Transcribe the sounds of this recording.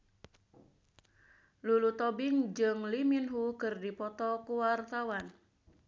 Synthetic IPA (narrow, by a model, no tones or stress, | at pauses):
lulut̪ɔbiŋd͡ʒɨŋliminɦukɨrdipɔt̪ɔkuwart̪awan